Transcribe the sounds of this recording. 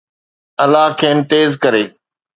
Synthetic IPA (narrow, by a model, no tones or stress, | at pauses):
ɐlaːɦkʰeːnt̪eːzkɐɾeː